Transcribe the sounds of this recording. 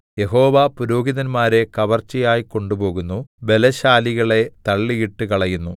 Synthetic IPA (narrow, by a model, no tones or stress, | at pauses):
je̞ɦo̞ːʋapuɾo̞ːɡiðɐnmaːɾe̞kɐʋɐrt͡ɕːɐjaːjiko̞ɳɖupo̞ːɣunːube̞lɐɕaːliɣɐɭe̞t̪ɐɭːijiʈːɨkɐɭɐjunːu